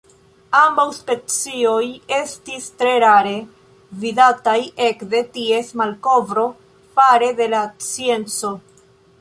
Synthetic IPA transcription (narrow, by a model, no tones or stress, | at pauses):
ambawspe̞t͡sio̞je̞stistɾe̞ɾaɾe̞ | vidataje̞kde̞tie̞smalko̞vɾo̞ | faɾe̞de̞lat͡sie̞nt͡so̞